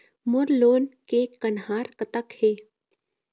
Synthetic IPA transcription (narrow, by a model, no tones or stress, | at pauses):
mʊɾloːnkekənɦaːɾkət̪əkheː